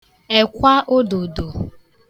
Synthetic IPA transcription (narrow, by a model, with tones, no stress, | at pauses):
e˨kʷa˦ʔo˦do˨do˨